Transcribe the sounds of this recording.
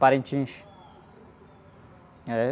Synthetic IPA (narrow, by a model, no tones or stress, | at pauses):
paɾẽt͡ʃĩʃ | ɛ